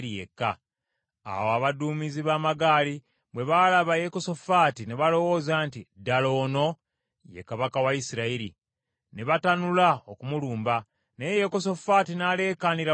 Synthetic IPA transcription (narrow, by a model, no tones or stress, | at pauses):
ɾijḛkːa̰ː | woaβaduːmiziβaːmaɡaːli | βwe̞βalaβajekoso̞faːtine̞βalo̞wo̞ːzaːntidalo̞ːno̞ | je̞̰kaβakawajisiɾaiɾḭ | neβatanulaokumuluːmba | nejjekosofaːtinale̞ːkaːniɾa